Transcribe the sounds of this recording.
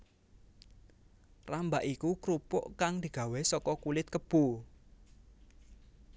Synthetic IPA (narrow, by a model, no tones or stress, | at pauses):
rambaʔikukɾupʊʔkaŋd̪̥i̤ɡ̥ä̤wɛsɔkɔkulɪt̪̚kəb̥ṳ